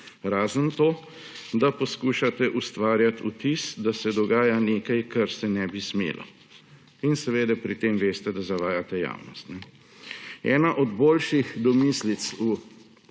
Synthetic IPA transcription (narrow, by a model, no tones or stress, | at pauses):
ɾaːzənt̪oː | d̪apɔskuːʃat̪ɛʔust̪ʋaːɾjat̪ut̪isd̪asɛd̪ɔɡaːjaneːkajkaɾsɛnɛbismḛːlʔɔ̰ | insɛʋeːd̪ɛpɾit̪emʋeːst̪ɛd̪azaʋaːjat̪ɛja̰ːwnɔst̪nɛ | ɛ̰ːnaʔɔd̪boːlʃixd̪ɔmislit̪su